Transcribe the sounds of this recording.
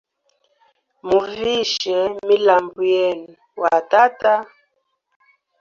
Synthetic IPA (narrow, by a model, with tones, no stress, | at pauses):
mu˨vi˦ʃɛ˨˦mi˦la˨mbu˨jɛ˦˨n˨wa˨ta˦ta˦